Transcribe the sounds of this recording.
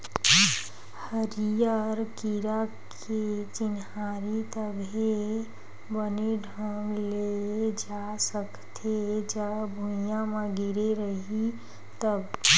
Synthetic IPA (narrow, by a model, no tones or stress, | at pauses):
həɾijaɾkiɾakʰ | et͡ʃɪnɦaaɾit̪əbʱe | bəneɖʱəmled͡ʒa | səkt̪ʰed͡ʒabʱuijãmẽɡiɾeɾəɦi | t̪əb